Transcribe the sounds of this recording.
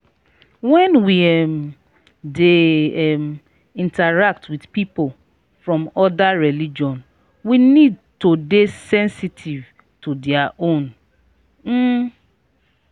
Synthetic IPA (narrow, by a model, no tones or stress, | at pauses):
wɛ̃nwiɛm | deɛm | ĩntaɹak̚tʰwidpipol | fɹɔ̃mɔdaɹɛlid͡ʒɔ̃n | winid̚todesɛ̃nsitʰiv | tudiaʔõn | m̩